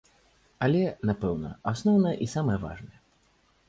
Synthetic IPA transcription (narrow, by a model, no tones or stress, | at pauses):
alʲɛnapɛwnɐ̰asnɔwnɐjɐʔisamɐjɐva̰ʐnɐjɛ